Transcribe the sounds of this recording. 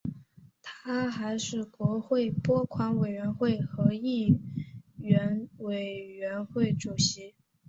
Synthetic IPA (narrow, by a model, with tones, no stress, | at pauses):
t̪ʰaa˥xa˧˥ɪʂɻ̩˥˩kwɔ˧˥xwe˥˩ɪpwɔ˥kʰwa˧˥nwe˨˩ɥɛ˧˥nxwe˥˩ɪxɤ˧˥i˥˩ | ɥɛ˧˥nwe˨˩ɪɥɛ˧˥nxwe˥˩ɪʈ͡ʂu˨˩ɕi˧˥